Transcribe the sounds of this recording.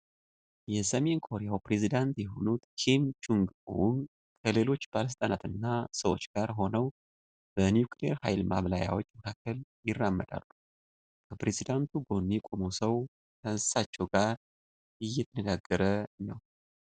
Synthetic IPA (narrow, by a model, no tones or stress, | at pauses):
jɛsəme̞nkʰo̞ɾejawpɾe̞zid̪ant̪jɛɦo̞nut̪kʰimt͡ʃuŋɡṵn | kʰəle̞lo̞t͡ʃːb̥aləs̬ɨt̪ʼənat̪ɨnːasəwot͡ʃːɡ̥aɾɦo̞nəw | b̥ənjukʰleɾhajlmaβlaja̰wot͡ʃːməkʰakʰːəljɪrːamːəd̪a̰lːu | kʰəpɾe̞zid̪ant̪ʰuɡo̞nːekʷʼo̞mowsəw | t̪ʰənsɨ̥sat͡ʃːɛwɡaɾ | ɨjːɛt̪ʰənəɡaɡːəɾənəw